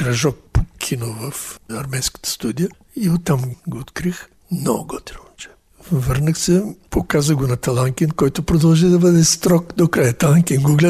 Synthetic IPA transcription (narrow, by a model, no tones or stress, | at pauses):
kɾɐʒɔpːo̥kʲʰinovɐfɐɾmɛnskə̥t̪ə̥st̪ud̪ijə | iot̪ːamɡoːt̪kɾix | mnɔ̰ɡot̪ɾʲɛmt͡ʃɛ̥ | vəɾnəxsɛpokazəɡonɐt̪ɐlˠaŋkʲinkɔjt̪opɾod̪ɐlˠʒid̪ɐbəd̪ɛst̪ɾɔkd̪okɾajət̪ɐlˠaŋkʲinɡoɡlʲɛ